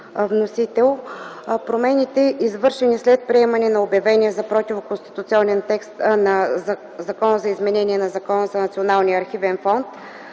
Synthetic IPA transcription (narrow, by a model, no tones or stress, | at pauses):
vnosit̪ɛlˠpɾomɛnit̪ɛʔizvɤɾʃɛnislɛt̪̚pɾiɛmɐnɛnɐobjɐvɛniɛzɐpɾɔt̪ʲivʊkonst̪i̥t̪ʊt̪siɔnɛnt̪ɛkst̪nɐ | zɐkɔnəzɐizmɛnɛniɛnɐzɐkɔnəzɐnɐt̪sionalˠnijəɐɾxivɛnfɔnt̪